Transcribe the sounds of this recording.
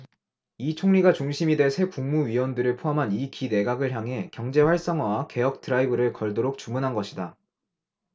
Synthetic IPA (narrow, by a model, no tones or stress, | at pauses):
it͡ɕʰoŋɲiɡat͡ɕuŋɕʰimide̞sʰe̞kuŋmuɥiwʌndɯɾɯɭpʰoɦamɦanikine̞ɡaɡɯɭçjaŋɦe̞kjʌŋd͡ʑe̞ɸwaɭs͈ʌŋwake̞jʌk̚tʰɯɾaibɯɾɯɭkʌɭdoɾok̚t͡ɕumunɦanɡʌɕʰida